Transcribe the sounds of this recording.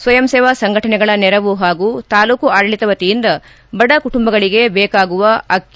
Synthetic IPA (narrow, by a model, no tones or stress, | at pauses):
sʋɐjɐmseːʋasɐŋɡʱɐʈɐnɛɡɐɭɐnɛɾɐʋuɦaːɡut̪aːluːkuaːɽɐɭit̪ɐʋɐt̪ijind̪ɐ | bɐɖɐkuʈumbɐɡɐɭiɡe̞bɛːkaːɡuʋɐɐk